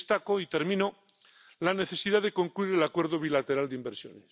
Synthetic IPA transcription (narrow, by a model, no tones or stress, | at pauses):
st̪akoit̪eɾmĩno | lane̞θe̞siðaðe̞ko̞ŋkluiɾelakwe̞ɾðoβ̞ilat̪e̞ɾald̪eimbeɾsjo̰nes